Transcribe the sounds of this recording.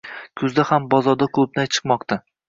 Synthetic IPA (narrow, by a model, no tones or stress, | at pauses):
kʲʰʊzd̪ahambɒzɒɾd̪akʰlˠʊb̚najt͡ʃʰɨ̥qmɒqt̪ʰa